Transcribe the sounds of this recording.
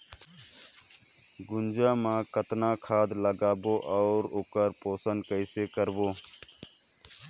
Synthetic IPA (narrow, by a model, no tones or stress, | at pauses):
ɡʊnd͡ʒaːmãkət̪nakʰaːd̪ləɡaːboːʔɔʊɾoːkəɾpoːsənkəɪsekəɾboː